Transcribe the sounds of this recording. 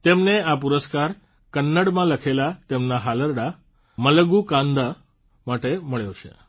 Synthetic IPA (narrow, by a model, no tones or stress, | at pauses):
t̪emneap̬uɾəskaɾ | kənːəɽmãləkʰelat̪emnaɦaləɾɽa | mələɡukãnd̪a | maʈeməɭjeʋt͡ʃʰḛ